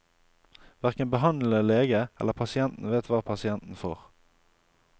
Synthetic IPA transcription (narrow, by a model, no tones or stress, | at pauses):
ʋæʁkənbəɦɑnl̩əleːɡəɛ̰lːəʁpʰɑsɪɛnt̪n̩ʋeːt̪ʋɑːpʰɑsɪɛnt̪n̩fo̰ːʁ